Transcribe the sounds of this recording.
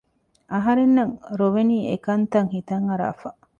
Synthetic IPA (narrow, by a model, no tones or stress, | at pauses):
ʔɐɦɐɾenːɐŋɾoʋeniːekɐnt̪ɐŋhit̪ɐŋɐɾa̰ːfɐ